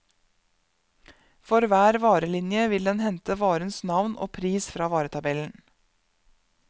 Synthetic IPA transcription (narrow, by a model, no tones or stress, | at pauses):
fɔɾʋæːɾʋɑːɾəlɪnjəʋɪld̪ɛnhɛnt̪əʋɑːɾənsnɑʋnʔo̰ːpʰɾiːsfɾɑːʋɑːɾət̪ʰɑbɛln̩